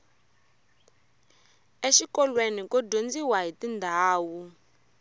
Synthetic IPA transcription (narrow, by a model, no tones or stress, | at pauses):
eʃikɔlwenikɔdʱond͡ziwaɦitindʱaːwu